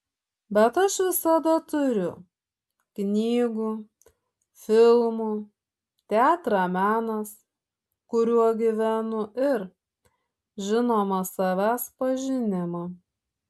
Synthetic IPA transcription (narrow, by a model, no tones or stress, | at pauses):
bʲɛt̪ɐʃʋʲɪsɐd̪ɐt̪ʊɾʲʊ | knʲiːɡu | fʲɪlˠmu | t̪ʲæːt̪ɾɑmʲæːnɐs | kʊɾʲuɔɡʲɪʋʲænʊʔɪɾ | ʒʲɪnoːmɐsɐʋʲæːspɐʒʲɪnʲɪmɐ